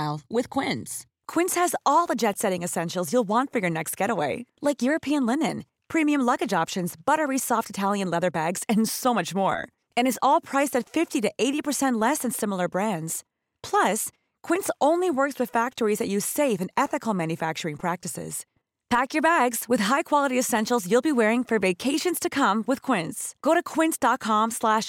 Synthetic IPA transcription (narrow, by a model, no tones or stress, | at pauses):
wɨð̥kʰw̥ɪ̃ns | kʰw̥ɪ̃nshɨzɔlˠðəd͡ʒɛtsɛɾɪ̃ŋɨsɛ̃nʃl̩ˠzjulˠwɑ̃ntfə˞jə˞nɛkst̚ɡ̥ɛɾəweɪlaɪkjʊɹɨpʰiɨ̃nlɪ̃nɨ̃n | pʰɹ̥ĩmiɨ̃mlʌɡɨd͡ʒɑpʃɨ̃nzb̥ʌɾə˞isɔftɨtʰælˠjɨ̃nlɛðə˞bæɡz̥ɨ̃nsoʊmʌt͡ʃmɔ̰ɹ | ɨ̃nɨzɔlˠpʰɹ̥aɪstɨtfɪftiɾɨʔeɪɾipə˞sɛ̃nʔˡlɛsɨ̃nsɪ̃ml̩ˠə˞bɹæ̃ndz̥ | pʰl̥ʌs | kʰw̥ɪ̃ntsõʊ̃nliwɜ˞kswɨð̥fæk̚tə˞izðɨt͡ʃɨ̥seɪvɨ̃nɛθɨkl̩ˠmæ̃njɨfæk̚t͡ʃə˞ɪ̃ŋpʰɹ̥æk̚tɨsɪ̰z̥ | pʰækjə˞bæɡz̥wɨð̥ɦaɪkʰw̥ɑlˠəɾiɨsɛ̃nʃl̩ˠzjulˠbiwɛɹɪ̃ŋfə˞veɪkʰeɪʃɨ̃nz̥tʰɨkʰʌ̃mwɨð̥kʰw̥ɪ̃ntsɡ̥oʊɾɨkʰw̥ɪ̃ntsd̥ɑt̚kʰɑ̃mslæʃ